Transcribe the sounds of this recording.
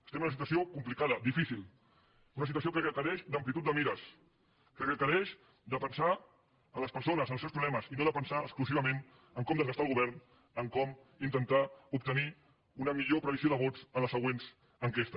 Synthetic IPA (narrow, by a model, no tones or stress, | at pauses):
əst̪ɛmunəsit̪wəs̬iokumplikaðəd̪ifisilˠ | unəs̬it̪uəsiokəkəkəɾɛʃd̪əmplit̪ut̪d̪əmiɾəs | kəkəkəɾɛʃ | d̪əpənsa | ələspəɾsonəzənlsewspɾuβlɛməzinoðəpənsaəskluziβ̞əmẽn | əŋkɔmd̪əzɣəst̪alˠɣuβɛɾn | əŋkɔm | int̪ənt̪aup̚t̪əni | unəmiʎopɾəβizioðəβɔzələsəɣwenz | əŋkest̪ə